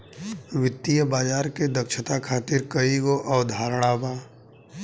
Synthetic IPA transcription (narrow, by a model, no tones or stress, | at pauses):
ʋɪt̪ːijəbaːd͡ʒaːɾked̪əkʃət̪akʰaːt̪ɪɾkəiɡoʔɔːd̪ʱaːɾɽ̃abaː